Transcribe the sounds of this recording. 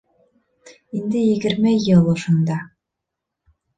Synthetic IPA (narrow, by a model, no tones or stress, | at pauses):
ind̪ɘjɘ̆ɡɘ̆ɾmɘjɯlˠŏʃund̪ɑ